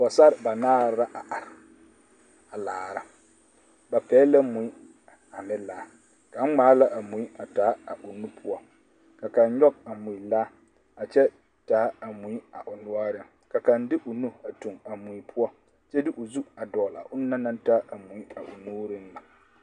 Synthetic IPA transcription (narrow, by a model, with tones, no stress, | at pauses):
bɔ˨sa˦ɾba˨naː˦ɾɾa˦ʔa˨ʔa˨ɾɪ˨ | a˨laː˨ɾa˦ | ba˨pɛː˨˦la˦mʊ˨i˦ | a˨nɪ˦laː˦ | ka˨˦ŋ͡maː˨˦la˦ʔa˨mu˨i˦a˨taː˨˦a˨ʔʊ˨nu˦pʰʊ˦ɔ˦ | ka˨ka˨n˦ɲɔ˦k̚a˨mu˨i˨la˦ | a˨t͡ʃɛ˦ | taː˨˦a˨mu˨i˦a˨ʔʊ˨nʊ˦a˦ɾɪ˦ŋ | ka˨ka˨n˦dɪ˦ʔʊ˨nu˦a˨tu˨ŋa˨mʊ˨i˦pʰʊ˦ɔ˦ | t͡ʃɛ˦dɪ˦ʔʊ˨zu˦a˨dɔː˨la̰˨ʔʊ˦nː˦a˦na˦n˦ta˦ʔa˨mu˨i˦a̰˨ʔʊ˨nuː˦ɾɪ˦n˦la˨